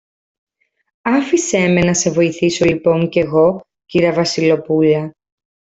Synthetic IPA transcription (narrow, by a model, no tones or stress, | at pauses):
ɐfise̞me̞nɐse̞vo̞iθiso̞lipo̞ŋce̞ɣo̞ | ciɾɐvɐsilo̞puʎɐ